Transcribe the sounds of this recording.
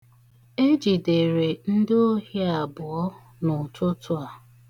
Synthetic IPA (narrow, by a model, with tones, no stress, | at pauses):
e˦d͡ʒi˨de˨ɾe˨n̩˦dɪ˦o˦ɦi˦a˨bʊ˨ɔ˦ | nʊ˨tʊ˦tʰʊ˦a˨